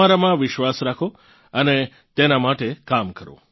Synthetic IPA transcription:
aɾamãʋɪʃʋasɾakʰo | əne | t̪enamaʈekamkəɾõ̰

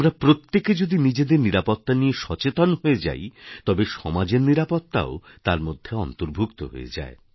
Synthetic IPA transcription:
mɾapɾot̪ːeked͡ʑod̪inid͡ʑed̪eɾniɾapot̪ːanieʃɔt͡ɕet̪onɦoed͡ʑa̰jt̪ɔbeʃɔmad͡ʑeɾniɾapot̪ːa̰ot̪aɾmod̪ʱːeɔnt̪oɾbʱukt̪o̰ɦo̰ḛd͡ʑa̰e

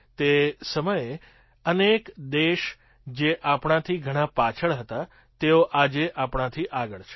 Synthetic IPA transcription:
t̪esəməje | ənekd̪eʃ | d͡ʒeʔapɳ̃ãt̪ʰiɡʱəɽ̃ãpat͡ʃʰəɭɦət̪a | t̪eoʔad͡ʒeʔapɽãt̪ʰiʔaɡəɭt͡ʃʰe̥

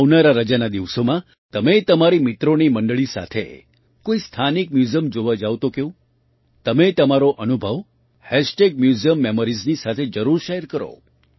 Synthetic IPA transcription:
ʋnaɾaɾəd͡ʒanad̪iʋsomã | t̪əmet̪əmaɾimit̪ɾoniməɳɖəɭisa̰t̪ʰḛ | koist̪ʰanikmjuzəmd͡ʒoʋad͡ʒaʋt̪okeũ | t̪əmet̪əmaɾoʔənubʱəʋ | hɛsʈekmjuziəmːeməɾiznisat̪ʰed͡ʒəɾuɾʃeɦɾkəɾo̰

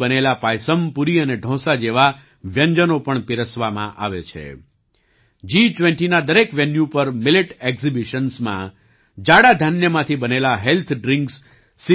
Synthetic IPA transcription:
bənelapajsəmpuɾiəneɖʱɔ̃sad͡ʒeʋa | ʋjəɲd͡ʒənopəɳpiɾəsʋamã̰ʔa̰ʋet͡ʃʰḛ | d͡ʒit͡ʃʋẽɳʈinad̪əɾekʋjenjupəɾmɪleʈekzibiʃənsmã̰ | d͡ʒaɽad̪ʱənjəmãt̪ʰibənelaɦelt̪ʰɖɾɪ̃ŋksː | i

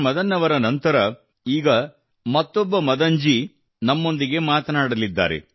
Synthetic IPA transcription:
mɐd̪ɐnːɐʋɐɾɐnɐnt̪ɐɾɐ | iːɡɐ | mɐt̪ːɔbːɐmɐd̪ɐɲd͡ʒi | nɐmːo̞nd̪iɡe̞maːt̪ɐnaːɽɐlid̪ːa̰ːɾḛ

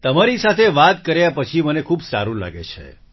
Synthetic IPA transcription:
t̪əmaɾisat̪ʰeʋat̪kəɾjapət͡ʃʰimənekʰubsa̰ɾũla̰ɡḛt͡ʃʰḛ

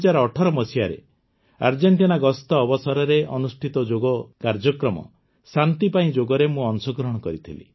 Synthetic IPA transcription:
d͡ʒaɾɔːʈʰɔɾɔmɔsiaɾḛ | a̰ɾd͡ʒeɳʈinaɡɔst̪ɔːbɔsɔɾɔɾeʔɔnusʈʰit̪ɔd͡ʒoɡɔkaɾd͡ʒɔkɾɔmɔ̰ | sant̪ipaĩd͡ʒoɡɔɾemũɔnsɔɡɾɔɽ̃ɔkɔɾit̪ʰilḭ

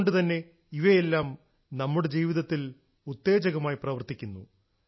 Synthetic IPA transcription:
ɳɖɨt̪ɐnːe̞ | iʋɐjelːaːm | nɐmːuɽe̞d͡ʑiːʋiðɐt̪ːil | ut̪ːe̞ːd͡ʑɐɣɐmaːjiprɐʋɐrt̪ikʲːunːṵ

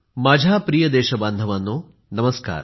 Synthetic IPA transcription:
mɐd͡ʒʱaːpɾijɐd̪ɛːʃɐbɐnd̪ʱɐʋɐnːu | nɐmɐska̰ːɾ

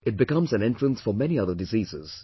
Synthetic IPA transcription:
ɪt̚bɪkʌ̃mzæ̃nɛ̃ntɹə̃nsfəmɛniʌðəɖɪziːzɪ̰z̥

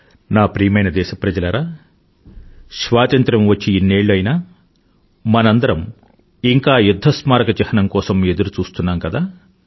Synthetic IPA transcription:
naːpɾiːmɐjnɐd̪ɛːʃɐpɾɐd͡ʒɐlɐɾaː | ʃʋaːt̪ɐnt̪ɾɐmʋɐt͡ʃːiːnːe̞ːɭːɐjinaː | mɐnɐnd̪ɐɾɐm | iŋkaːjud̪ʱːɐsmaːɾɐkɐt͡ʃɛhɐɳɐmkɔːsɐme̞d̪uɾut͡ʃuːst̪unːaːmkɐd̪aː

